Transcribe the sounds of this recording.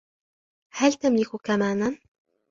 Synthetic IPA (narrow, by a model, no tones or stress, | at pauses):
halt̪amlɪkkamaːnan